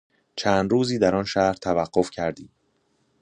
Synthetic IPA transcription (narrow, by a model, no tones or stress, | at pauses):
t͡ʃʰæːnd̪ɾuːziːd̪æɾɒnʃæhɾt̪ʰævæɢːo̞fcʰæɾd̪iː